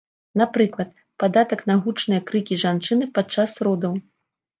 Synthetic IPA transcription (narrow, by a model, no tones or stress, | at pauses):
napɾɨklˠɐt̪̚ | pad̪at̪ɐknaɣut͡ʂnɨjɐkɾɨkʲiʐant͡ʂɨnɨpat͡ʂːasrɔd̪ɐw